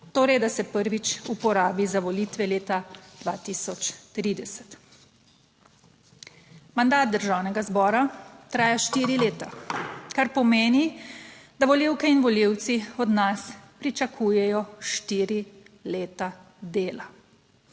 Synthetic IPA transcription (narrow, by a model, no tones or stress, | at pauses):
t̪oːɾɛjd̪asɛpəɾʋit͡ʃupɔɾaːbizaʋɔliːt̪ʋɛleːt̪ad̪ʋaːt̪isɔt͡ʃt̪ɾiːd̪ɛsɛ̥t̪ | mand̪aːt̪̚d̪əɾʒawnɛɡazbɔːɾat̪ɾaːjaʃt̪iːɾileːt̪akaɾpɔmeːni | d̪aʋɔliwkɛinʋɔliwt̪siɔd̪naspɾit͡ʃakʰuːjɛjɔʃt̪iːɾi | leːt̪a | d̪eːla